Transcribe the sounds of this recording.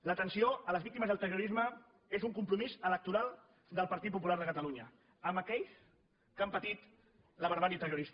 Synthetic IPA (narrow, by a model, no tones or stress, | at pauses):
lət̪ənsioələzβik̚t̪iməzðəlˠt̪əruɾizmə | ezuŋkumpɾumizələk̚t̪uɾalˠ | d̪əlˠpəɾt̪it̪̚pup̬ulaɾðəkət̪əluɲə | əməkɛʎs | kampət̪it̪ | ləβəɾβaɾiət̪əruɾis